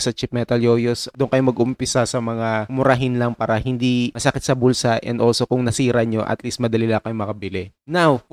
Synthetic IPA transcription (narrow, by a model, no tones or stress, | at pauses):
sɐt͡ʃɪp̚mɛt̪ɐljoːjosd̪ʊŋkɐjomɐɡʊmpɪsasɐmɐŋamʊɾaɦɪnlɐŋpaːɾɐhɪnd̪imɐsɐkɪt̪sɐbulsaʔɛ̰nd̪ʔoːlso̞kʊŋnɐsiːɾɐɲo̞̰ʔɐ̰t̪liːst̪̚mɐd̪ɐlilakɐjomɐkɐbɪlɛnaw